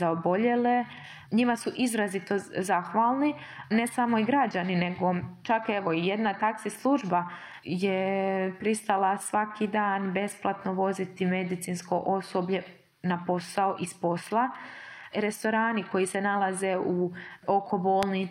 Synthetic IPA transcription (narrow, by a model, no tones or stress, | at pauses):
zaobo̞ʎe̞le | ɲimasuʔizɾazit̪o̞zaxʋaːlˠni | ne̞samo̞iɡɾad͡ʑanine̞ɡo̞t͡ʃake̞ʋo̞ijed̪nat̪aksislˠuʒba | jepɾist̪alasʋakʰiːd̪aːnbe̞splˠat̪no̞ʋo̞zit̪ime̞d̪it̪siːnsko̞ʔo̞so̞bʎe̞ | napo̞saoʔispo̞slˠa | ɾe̞st̪o̞ɾaːniko̞jise̞nalˠazeuo̞kʰo̞boːlˠni